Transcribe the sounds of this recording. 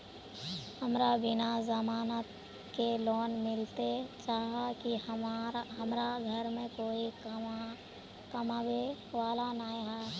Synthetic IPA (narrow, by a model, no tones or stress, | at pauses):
həmɾabɪnazəmaːnət̪ | kelɔːnmɪlt̪et͡ʃaːɦaki | ɦɐmɾaɡʱəɾmẽkoːi | kəmabeʋaːlanaːeɦɛː